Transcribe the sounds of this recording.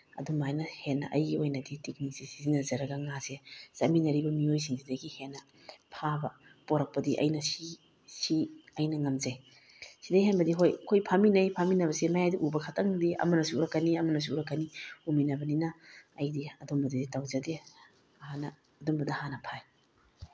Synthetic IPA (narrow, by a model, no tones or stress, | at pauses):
ɐ̰dumajnɐhenːɐ̰ʔɐjɡiojnɐditik̚nisisizinɐzɐɾɐɡɐŋasesɐminɐɾibɐmiojsiŋsidɐɡihenːɐ | pʰabɐ | poɾɐk̚pɐdiʔɐ̰jnɐsi | siɐjnɐŋɐmzej | sidɐjɦenbɐdiɦojkʰojpʰaminɐjpʰaminɐbɐsemajadiʔubɐkʰatʰɐŋdiʔɐ̰mɐnɐsuuɾɐkːɐniɐmɐnɐs̬uuɾɐkːɐniuminɐbɐninɐːjdiɐdombɐdɐditawzɐde | ɐhanɐː | dombɐdɐhanɐpʰaj